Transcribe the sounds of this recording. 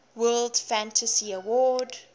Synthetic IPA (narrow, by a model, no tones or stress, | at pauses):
wɜːldfæ̃ntʰəsiəwɔːd